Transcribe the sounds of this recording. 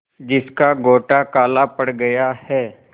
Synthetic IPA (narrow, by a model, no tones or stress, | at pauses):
d͡ʒɪskaɡoːʈakaːlapɐɽɡɐjahɛː